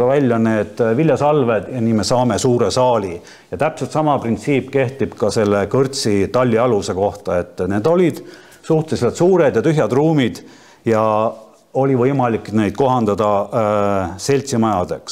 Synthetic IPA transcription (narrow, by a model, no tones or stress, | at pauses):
ɑvælʲːjɑne̞ːd̪̥vilʲjɑsɑlve̞d̪̥jɑniːmesɑːme̞suːɾe̞sɑːli | jɑt̪æpselt̪sɑmɑprint̪siːpːke̞ht̪ib̥kɑse̞lːe̞kɤrt̪sit̪ɑlʲːiɑluse̞ko̞ht̪ɑe̞t̪ːˑne̞ːd̪o̞lʲid̪̥ | suht̪eset̪suːɾe̞d̪jɑt̪yɦjɑd̪̥ruːmid̪̥ | jɑ | o̞lʲivɤjmɑlikːˑne̞jd̪̥ko̞ɦɑnd̪̥ɑd̪̥ɑ | se̞lʲt̪simɑjɑd̪̥e̞ks